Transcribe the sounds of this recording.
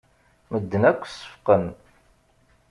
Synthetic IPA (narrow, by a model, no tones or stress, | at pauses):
məd̪ːənækʷːsə̥fqən